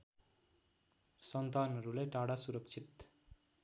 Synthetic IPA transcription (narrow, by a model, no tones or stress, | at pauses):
sʌnt̪aːnʌɾuleʈaːɽasuɾʌkt͡ʃʰit̪